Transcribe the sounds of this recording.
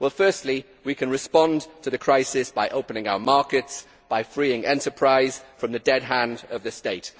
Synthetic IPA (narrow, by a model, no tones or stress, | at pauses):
wɛlˠfɜˑ˞stˡli | wikʰɨ̃nɹɨspɒ̃ntʰəðɨkʰɹ̥aɪsɪsb̥aɪʔoʊpə̃nɪ̃ŋaʊə˞mɑɹkɪts | b̥aɪfɹiɪ̃ŋɛ̰̃ntəpʰɹ̥aɪz̥fɹʌ̃mðɨdɛd̚ɦæ̃ndəvðɨsteɪt